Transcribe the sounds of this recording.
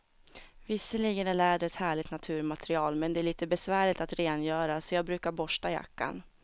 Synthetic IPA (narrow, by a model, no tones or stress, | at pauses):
vɪsːəliːɡənæɭæːɖ̪əɛt̪hæːɭɪt̪nat̪ʰʉ̟ːɾmat̪ʰɾɪɑːlmɛnd̪ɛæɭiːt̪əbɛsvæːɭɪt̪at̪ɾeːnjœːɾasɔjɑːɡbɾʉ̟ːkaɾbɔʂʈaja̰kːa̰n